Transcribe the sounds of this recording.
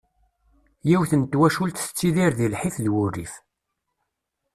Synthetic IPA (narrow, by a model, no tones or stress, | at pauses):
jiwθənt̪ːwæʃult̪θə̥t͡sːiðiɾðilħifðwʊrːif